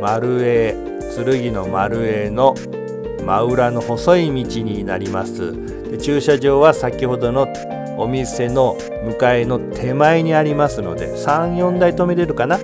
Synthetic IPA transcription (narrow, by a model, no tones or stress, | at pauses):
maɾɯ̟e | t͡sɨɾɯ̟ɡʲino̞maɾɯ̟e̞no̞ | maɯ̟ɾano̞ho̞so̞imʲit͡ɕiɲ̟ina̰ɾʲimasɨ̰ | d̪̥e̞t͡ɕɨːɕaʑo̞ːβasakʲiho̞d̪o̞no̞ | omʲise̞no̞ | mɯ̟kae̞no̞t̪ʰe̞maeɲ̟iaɾʲimasɨno̞̰d̪e̞̰sãɰ̃jõ̞nd̪ait̪o̞me̞ɾeɾɯ̟kana